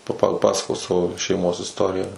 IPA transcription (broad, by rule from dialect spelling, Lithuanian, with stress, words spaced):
pɐ pɐˈpɑːsɐkoːs ˈsɑːʋoː ʃʲɛɪˈmoːs ɪsˈtoːrʲɪjæː